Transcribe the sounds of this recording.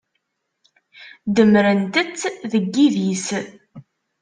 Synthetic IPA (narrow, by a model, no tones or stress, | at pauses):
d̪əmɾənt̪ət͡sːðəɡːiðis